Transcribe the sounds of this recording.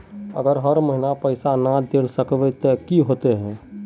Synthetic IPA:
ə̰ɡəɾɦəɾməɦinapəɪsanad̪elsəkʋɛt̪ekiɦoːt̪eɦɛ̃ː

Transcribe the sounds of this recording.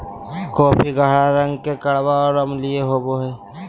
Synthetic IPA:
kɔːpʰiɡʱaːɽaɾə̃ŋɡkekəɽʋaɔːɾəmlieɦoːboɦɛː

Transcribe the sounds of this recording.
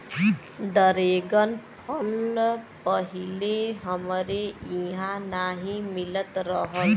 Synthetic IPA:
ɖəɾeɡənpʰəlpəɦileɦəmɾeiɦãnaɦĩmilət̪ɾʌɦət̪

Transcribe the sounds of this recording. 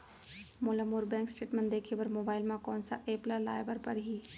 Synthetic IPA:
molamʊɾbɛ̃ːŋksʈeːʈmẽnd̪eːkʰebɐɾmoːbaːɪlmãkɔːnsa̰ʔeːpləla̰ːjbəɾpɐɾɦiː

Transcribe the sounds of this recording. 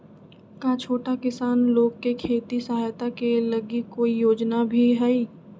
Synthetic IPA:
kat͡ʃʰoːʈakɪsaːnloːɡ̚kekʰeːt̪isɐɦaːjt̪akelɐɡikoːijoːd͡ʒnabʱiɦɛiː

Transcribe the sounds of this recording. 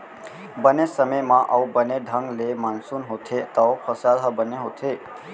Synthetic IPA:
bənesəməjmaʔəwbəneɖʱəŋɡlemansunɦot̪ʰet̪əwpʰəsalɦəbəneɦot̪ʰe

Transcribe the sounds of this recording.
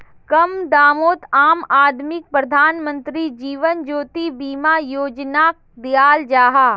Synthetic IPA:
kɐmd̪aːmoːt̪aːmaːd̪mɪk̚pɾəd̪ʱaːnmə̃nt̪ɾid͡ʒiːʋənd͡ʒoːt̪ibiːmajoːd͡ʒnaːk̚d̪ijaːld͡ʒaːɦaː

